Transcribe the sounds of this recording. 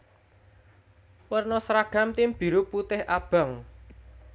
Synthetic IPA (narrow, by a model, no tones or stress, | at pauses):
wərnɔsɾaɡ̥a̤mt̪ɪmb̥i̤ɾuput̪ɪhʔab̥a̤ŋ